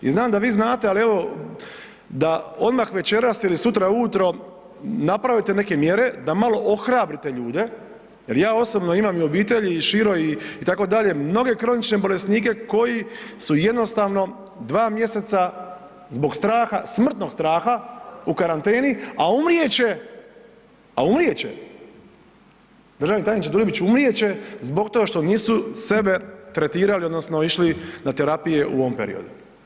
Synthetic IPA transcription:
ḭznaːmd̪aʋiːznaːt̪ealie̞ʋo̞ | d̪aod̪maxʋe̞t͡ʃe̞ɾasilisut̪ɾauut̪ɾo̞ | napɾaʋit̪e̞ne̞ke̞mje̞ɾe̞d̪amalo̞ʔoxɾaːbɾit̪e̞ʎuːd̪e̞ | jeljaːo̞sobno̞imamio̞biːt̪e̞ʎiʃiɾo̞iit̪ako̞d̪aʎe̞mno̞ɡe̞kɾo̞nit͡ʃne̞bo̞le̞sniːke̞ko̞jisuje̞d̪no̞st̪aːʋno̞ | d̪ʋaːmje̞se̞t̪sa | zbo̞ɡst̪ɾaːxasmr̩t̪no̞ɡst̪ɾaːxaukaɾant̪eːniaumɾije̞t͡ɕe | a̰umɾije̞t͡ɕḛ | d̪ɾr̩ʒaʋnit̪ajnit͡ʃt͡ɕed̪ulibit͡ɕumɾije̞t͡ɕe̞zbo̞k̚t̪oɡaʃt̪oniːsuse̞be̞t̪ɾe̞t̪iːɾaliod̪nosnoiʃlinat̪eɾapije̞ʔṵo̞ʋompḛɾḭo̞̰d̪u

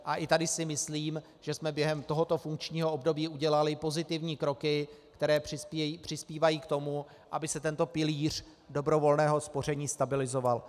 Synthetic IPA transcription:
ʔaʔɪt̪adɪsɪmɪsliːm | ʒ̥ɛsmɛbjɛɦɛmt̪o̞ɦo̞t̪o̞fuŋkt͡ʃɲiːɦo̞ʔobdo̞biːʔuɟɛlalɪpo̞zɪt̪ɪvɲiːkɾo̞kɪkt̪ɛɾɛːprɪpːpr̥ɪspiːvajiːkt̪o̞mu | ʔabɪsɛt̪ɛnt̪o̞pɪliːr̝̥ | do̞bɾo̞vo̞lnɛːɦo̞spo̞rɛɲiːst̪abɪlɪzo̞val

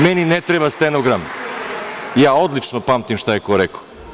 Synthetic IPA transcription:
meninet̪ɾebast̪enoɡɾam | jaːo̞d̪lit͡ʃnopaːmt̪imʃt̪ajekoɾeko̥

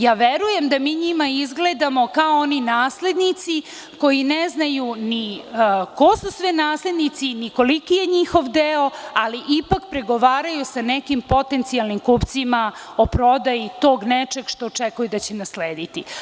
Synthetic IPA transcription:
jaːʋeɾuje̞md̪amiːɲimaizɡled̪amo̞kaooninaːsle̞d̪nit̪si | ko̞jineznajuni | ko̞susʋɛnaːsle̞d̪nit̪siniko̞likijeɲixo̞ʋd̪eoaliʔipakpɾeɡo̞ʋaːɾajusanekimpo̞t̪ent̪sialnimkupt̪simaopɾo̞d̪ajit̪o̞ːɡnet͡ʂeɡʃt̪oːt͡ʂekujud̪at͡ɕenasleːd̪it̪i

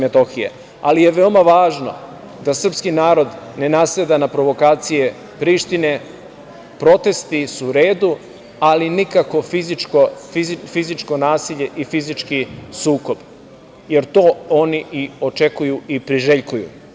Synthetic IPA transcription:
met̪o̞xijḛ | alije̞ʋeo̞maʋaːʒno̞̰ | d̪asr̩pskinaːɾo̞d̪ne̞nasled̪anapɾo̞ʋo̞kaːt̪sije | pɾiːʃt̪ine̞ | pɾo̞t̪e̞st̪isuːɾe̞ːd̪u | alinikako̞fizikoizfizit͡ʃko̞naːsiʎe̞ʔifizit͡ʃkisuːko̞b̥ | je̞ɾt̪o̞ːoniio̞t͡ʃe̞kujuipɾiʒeʎkujṵ

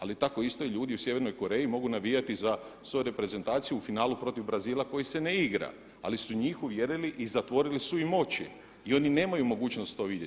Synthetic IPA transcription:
alit̪ako̞ist̪o̞iʎuːd̪iusjeʋe̞ɾno̞jko̞ɾe̞ːimo̞ɡunaʋijat̪izasʋo̞juɾe̞pɾe̞ze̞nt̪aːt̪sijufinaːlupɾo̞t̪iʋbɾaziːlˠako̞jise̞neiɡɾa̰ | a̰lisuɲiːxuʋje̞ɾiliʔizat̪ʋo̞ɾilisuimo̞t͡ɕi | io̞nine̞ːmajumo̞ɡuːt͡ʃnost̪t̪o̞ːʋid̪je

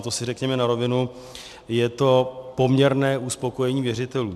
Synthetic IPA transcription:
t̪osɪrɛkɲɛmɛnaɾo̞vɪnu | jɛt̪o̞po̞mɲɛɾnɛːʔuspo̞ko̞jɛɲiːvjɛrɪt̪ɛluː

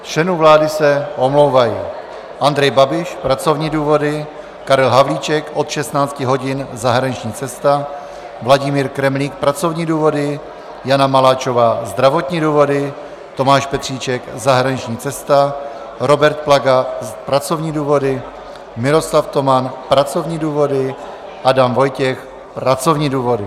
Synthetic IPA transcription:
t͡ʃɛnuːvlaːdɪsɛʔo̞mlo̞wvajɪ | ʔand̪ɾɛjbabɪʃpɾat͡so̞vɲiːduːvo̞dɪ | kaɾɛlɦavliːt͡ʃɛkʔo̞t̪ʃɛst̪naːt͡scɪɦo̞ɟɪnzaɦɾaɲɪt͡ʃɲiːt͡sɛst̪a | vlaɟɪmiːɾkɾɛmliːk̚pɾat͡so̞vɲiːduːvo̞dɪ | janamalaːt͡ʃo̞vaːzd̪ɾavo̞t̪ɲiːduːvo̞dɪ | t̪o̞maːʃpɛt̪r̝̥iːt͡ʃɛkzaɦɾaɲit͡ʃɲiːt͡sɛst̪a | ɾo̞bɛɾt̪̚plaɡapɾat͡so̞vɲiːduːvo̞dɪ | mɪɾo̞slaft̪o̞manpɾat͡so̞vɲiːduːvo̞dɪ | ʔadamvo̞jcɛx | pɾat͡so̞vɲiːduːvo̞dɪ

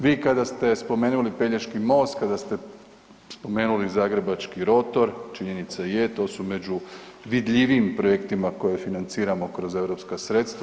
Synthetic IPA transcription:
ʋiːkad̪ast̪e̞spo̞me̞ːnulipe̞ʎeʃkimo̞ːst̪kad̪ast̪e̞ | spo̞me̞ːnulizaːɡɾebat͡ʃkiɾo̞t̪o̞ɾt͡ʃiɲe̞nit̪sajet̪o̞ːsume̞d͡ʑuʋid̪ʎʲiʋiːmpɾo̞je̞kt̪imako̞jefinant̪siːɾamo̞kɾo̞ze̞ʋɾo̞pskasɾe̞t̪st̪ʋa

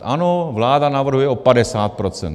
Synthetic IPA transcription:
anovlaːdanavr̩ɦujɛopadɛsaːt̪̚pɾot͡sɛ̰n

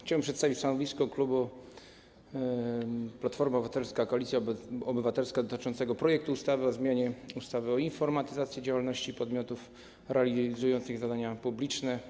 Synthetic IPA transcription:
xt͡ɕawɛmpʂɛt̪st̪avit͡ɕst̪anɔvʲiskɔklubu | plat̪fɔɾmabvat̪ɛlskakɔalʲit̪sjaɔbɘvat̪ɛlskad̪ɔt̪ɘ̥t͡ʂɔnt̪sɛɡɔpɾɔjɛk̚t̪uust̪avɘɔzmʲjaɲɛust̪avɘɔinfɔɾmat̪ɘzat̪sʲjɛd͡ʑawalnɔɕt͡ɕipɔd̪mʲjɔt̪uf | ɾɛalʲizujɔnt̪sɘɣzad̪aɲapublʲit͡ʂnɛ

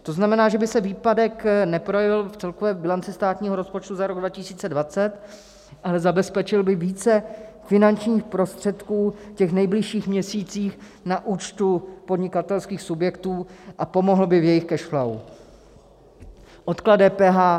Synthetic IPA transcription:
t̪o̞znamɛnaːʒɛbɪsɛviːpadɛknɛpɾo̞jɛvɪlft͡sɛlkovɛːbɪlant͡sɪst̪aːt̪ɲiːɦo̞ɾo̞spo̞t͡ʃt̪uzaɾo̞ɡdvacɪsiːt͡sɛdvat͡sɛt̪ | ʔalɛzabɛspɛt͡ʃɪlbɪviːt͡sɛfɪnant͡ʃɲiːxpɾo̞st̪r̝̥ɛt̪kuːcɛxnɛjblɪʃiːxmɲɛsiːt͡siːx | naʔuːt͡ʃt̪upod̪ɲɪkat̪ɛlskiːxsubjɛkt̪uːʔapo̞mo̞ɦl̩bɪvjɛjɪxkɛʃxlaw | ʔot̪kladɛːpɛːɦaː

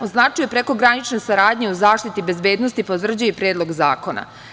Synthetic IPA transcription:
o̞znat͡ʃujepɾe̞ko̞ɡɾanit͡ʃne̞saɾaːd̪ɲeuzaːʃt̪it̪ibe̞zbe̞ːd̪no̞st̪ipot̪vr̩d͡ʑujepɾeːd̪lˠo̞ɡza̰ːko̞na̰

